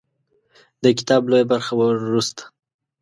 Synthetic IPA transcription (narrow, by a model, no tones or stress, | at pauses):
d̪əkɪ̥t̪ɑblojabaɾxawəɾust̪ḁ